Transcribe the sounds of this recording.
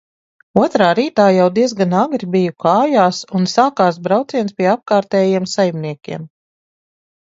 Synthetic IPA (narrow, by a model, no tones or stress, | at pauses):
uɔt̪ɾaːɾiːt̪aːjawd̪iɛzɡanaɡɾibijukaːjaːsunsaːkaːs̬bɾawt̪siɛnspiɛap̚kaːɾt̪ɛːjiɛmsajmniɛkʲḭɛm